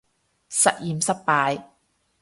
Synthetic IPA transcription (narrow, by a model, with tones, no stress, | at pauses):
sɐ˨t̚jiː˨˧msɐ˥t̚paː˨˧j